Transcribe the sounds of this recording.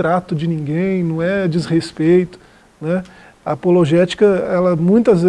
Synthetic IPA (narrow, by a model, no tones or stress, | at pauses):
ɾat̪ʊd͡ʒɪnĩŋɡẽj̃nɐ̃w̃ɛd͡ʒizhespejt̪ʊ̥ | nɛ | ɐpoloʒɛt͡ʃi̥kɐɛlɐmũj̃t̪ɐzve